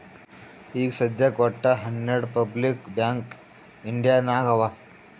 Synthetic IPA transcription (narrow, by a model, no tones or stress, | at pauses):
iːksəd̪jakɐʈːaɦɐnjeɽpəblikbjãŋk | ɪɳɖijanaɡɐʋa